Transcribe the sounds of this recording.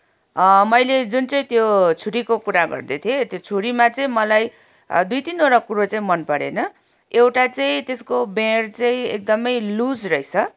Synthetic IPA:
mʌjled͡zunt͡sʌĩt̪jot͡sʰuɾikokuɾaɡʌ̰rd̪et̪ʰijet̪jot͡sʰuɾimat͡sʌĩmʌlaj | d̪ujt̪inoɾakuɾot͡saĩmʌnpʌɾḛnʌ | ewʈat͡saĩt̪eskobeɽt͡saĩḛk̚d̪ʌmʌjlusrʌɦjt͡sʰʌ

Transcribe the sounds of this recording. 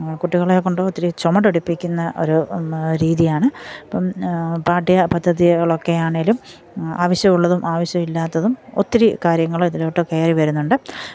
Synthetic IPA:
kuʈːiɣɐɭekːoɳɖoot̪ːiɾit͡ɕomɐʈuɽupːikʲːunːɐʔo̞̰ɾuɾiːðijaːɳɨɐpːɐmpaːʈːijɐpɐd̪ʱːɐðiɐɭo̞kːe̞jaːɳeŋɡlum | a̰ːʋɐɕjɐmuɭːɐðumʔaːʋɐɕjɐmilːaːt̪ːɐðumo̰t̪ːiɾikaːɾjɐŋːɐɭiðiloʈːɨke̞ːriʋɐɾunːuɳɖɨ

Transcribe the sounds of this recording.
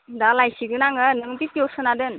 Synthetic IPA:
dalajsiɡɯnaŋɯnɯŋtipiɔsɯnadɯn

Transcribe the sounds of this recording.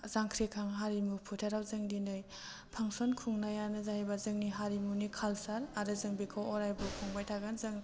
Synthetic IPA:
zaŋkʰɾekʰaŋɦaɾimupʰutʰaɾawzɯŋdinɯj | pʰaŋsɔnkʰuŋnajanɯzahajbazɯŋniɦaɾimunikʰalsaɾaɾɯzɯŋbikʰawɔɾajbukʰɔŋbajtʰaɡanzɯŋ

